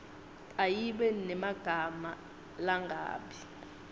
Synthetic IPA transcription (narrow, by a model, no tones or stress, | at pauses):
ajiɓɛnɛmaɡ̥ʱama | laŋɡʱa̰ːɓi